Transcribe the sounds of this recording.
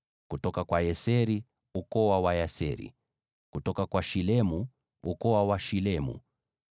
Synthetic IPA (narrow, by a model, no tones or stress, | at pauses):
kutɔkakwajɛsɛɾi | ukɔwawajasɛ̰ɾḭ | kutɔkakwaʃilɛmu | ukɔwawaʃilɛmṵ